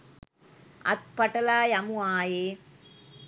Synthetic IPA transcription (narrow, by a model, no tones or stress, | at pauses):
ɐ̰t̪̚pɐʈɐlaːjɐmuaːjeː